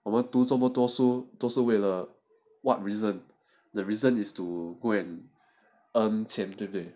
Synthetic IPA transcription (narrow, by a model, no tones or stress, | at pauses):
ɔmãtusɔ̃mbɔtuɔsotuɔsowɛlə | wɔt̚ɹizə̃n | dəɹizə̃nistuɡoɛ̃n | ãnt͡ʃɛ̃mtiple